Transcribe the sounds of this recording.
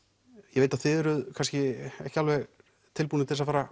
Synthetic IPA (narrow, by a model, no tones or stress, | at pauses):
jɛveːjt̪aðθɪðɛɾʏðkʰanscɪɛ̰hcɪalvɛɣ | t̪ʰɪlpuːnɪt̪θɛsafaːɾa